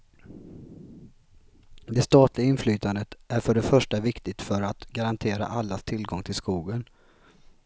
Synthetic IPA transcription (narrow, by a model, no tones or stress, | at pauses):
d̪ɛst̪ɑːt̪ʰlɪɡaɪnflyːt̪ʰand̪ət̪ʔæɾfœɖɛfœʂʈavɪkt̪ɪt̪fœɾat̪ɡaɾant̪ʰeːɾa̰ʔalːast̪ʰɪlːɡɔŋt̪ʰɪlskuːɡən